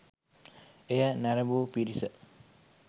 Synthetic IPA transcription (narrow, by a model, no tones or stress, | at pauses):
ejənæɾəbuːpiɾisə